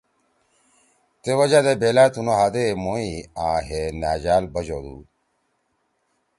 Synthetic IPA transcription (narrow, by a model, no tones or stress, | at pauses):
t̪ewɐd͡ʑad̪ebelaːt̪unoɦad̪emoːiãːɦenaːd͡ʑaːlbɐd͡ʑod̪ṵ